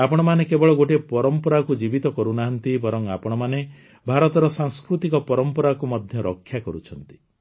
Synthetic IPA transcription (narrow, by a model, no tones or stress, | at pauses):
apɔɽ̃ɔmanekebɔɭɔɡoʈ̬epɔɾɔmpɔɾakud͡ʒibit̪ɔkɔɾunaɦɔnt̪ibɔɾɔŋa̰pɔɽ̃ɔmane | bʱaɾɔt̪ɔɾɔsaŋskɾut̪ikɔpɔɾɔmpɔɾakumɔd̪ʱjɔɾɔkʰːjakɔɾut͡ʃʰɔnt̪i̥